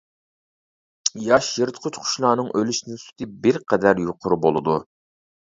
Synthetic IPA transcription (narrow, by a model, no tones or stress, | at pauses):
jɑʃjəɾt̪qʰʊt͡ʃqʰʊ̥ʃlˠɑːnɨŋʔølyʃnɪsu̥t̪ʰɨbɪɾqʰɛd̪æɾjoqʰʊɾbolˠɨd̪u